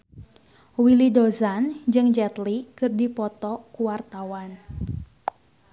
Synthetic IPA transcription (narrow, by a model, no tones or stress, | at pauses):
wilidozand͡ʒɨŋd͡ʒɛt̪likɨrdipɔt̪ɔkuwart̪awan